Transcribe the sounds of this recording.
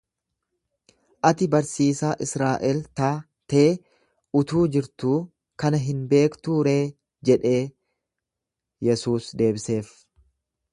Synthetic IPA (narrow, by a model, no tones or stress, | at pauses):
ʔɐt̪ɪbɐɾsiːsaːʔɪsɾaːʔɛlt̪aː | t̪ɐʔe | ʊt̪uːd͡ʒɪɾt̪uː | kɐnɐɦɪnbe̞ːkt̪uːɾe̞ː | d͡ʒɛᶑe̞ː | jɛsuːsd̪e̞ːbɪse̞ːf